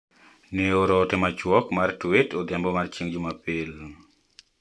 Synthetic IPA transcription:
neoɾɔtɛmat͡ʃwɔkmartwetod̪ambɔmart͡ʃiŋd͡ʒumapɪl

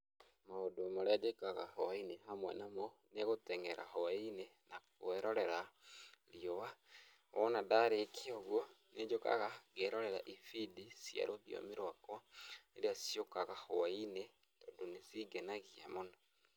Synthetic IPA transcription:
maodoamoɾead͡ʒekaɣahɔainehamwɛ̰namɔneɣotɛŋɛɾa̰hɔainenakoɛɾɔɾɛɾaɾiowa | ɔnadaɾekʰeoɣwoned͡ʒoka̰ɣaɣeɾɔɾɛɾa̰ʔifidisja̰ɾoβjo̰miɾwakɔneɾeasjokaɣahɔwaine | dondonesiɡɛnaɣia̰monɔ

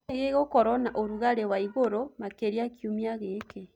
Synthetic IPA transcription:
ɣeɣokɔɾɔnaʔoɾuɣaɾewaiɣoɾomakeɾiakjumiaɣeːke

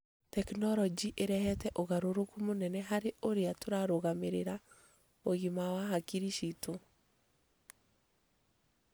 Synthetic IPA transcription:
tɛknɔɾɔd͡ʒiʔeɾɛhɛtɛʔoɣaɾoɾokumonɛnɛɦaɾeoɾeatoɾaɾoɣameɾeɾa | oɣimawaɦakiɾiʃito

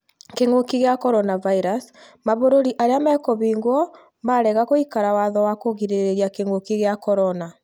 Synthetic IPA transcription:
keŋokiɣeakɔɾɔnavaiɾas | maβoɾoɾiʔaɾeamɛɛkɔβiːŋɡwɔ | maɾɛɣakoikaɾawaðɔwakoɣiɾeɾeɾiakeŋokiɣeakɔɾɔna

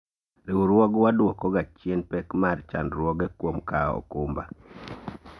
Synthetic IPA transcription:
ɾiwuɾwɔɡwadwɔkɔɡat͡ʃjenpɛkmart͡ʃa̰ndɾwɔɡɛkwomkaɔ̰kumba̰

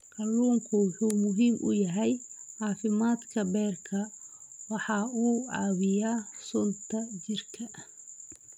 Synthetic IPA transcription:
ʔɑluːŋkʰʊwʊħuːmʊɦiːmʔʊ̰jɐɦɛjʕɑːfɪmaːd̪kʰɐbɛːrkʰɐ | wɑħɑuːʕɑːwɪjaːsɔnt̪ʰɐd͡ʒɪrkʰɐ

